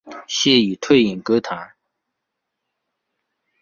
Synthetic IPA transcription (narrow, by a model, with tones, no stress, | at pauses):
ɕe˥˨ji˩˨t̪ʰø˥˨ji˩˨nkø˩˨ʔt̪ʰɑ˨ŋ